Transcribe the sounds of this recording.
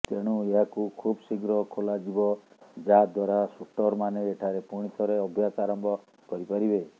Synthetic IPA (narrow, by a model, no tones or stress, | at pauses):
t̪eɽ̃ueɦakukʰubsiɡɾɔkʰolad͡ʒibɔd͡ʒad̪waɾasuʈɔɾmaneːʈʰaɾepuɽ̃it̪ʰɔɾeɔbʱjasaɾɔmbʱɔ | kɔɾipaɾibe